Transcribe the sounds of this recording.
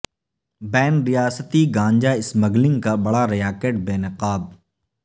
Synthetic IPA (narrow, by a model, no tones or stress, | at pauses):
bɛːnɾijaːsət̪iɡãːɲd͡ʒaɪsməɡlɪ̃ŋɡkabɐɽaɾɐjaːkeːʈ̚beːnɪqaːb̪̚